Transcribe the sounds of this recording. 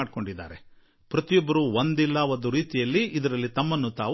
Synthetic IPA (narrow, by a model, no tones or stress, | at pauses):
aːɖ̚ko̞ɳɖid̪ːa̰ːɾe | pɾɐt̪ijɔbːɐɾuʋond̪ilːɐond̪uɾiːt̪ijɐlːiid̪ɐɾɐlːit̪ɐmːɐnːut̪a̰ː